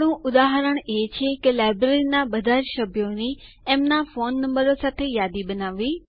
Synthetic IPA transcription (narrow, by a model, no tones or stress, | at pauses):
ɽũʔʊd̪aːɦɾəɽ̃eːt͡ɕʰekelaːɪbɾeinãɓɐd̪ʱaːɾʃɐbʱjoni | ɛ̃ːmnãfoːnːɐ̃mbəɾosat̪ʰejaːd̪iɓɐnaːʋiː